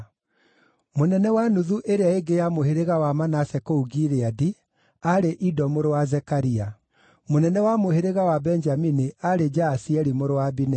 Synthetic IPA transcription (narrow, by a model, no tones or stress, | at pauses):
monɛnɛwanuðuʔeɾeaeɡejamoheɾeɣawamanasɛkouɡiɾeadi | aɾeʔidɔmoɾowazɛkaɾia | monɛnɛwamoheɾeɣawabɛnd͡ʒaminiaɾed͡ʒaːsiɛɾimoɾowabinɛ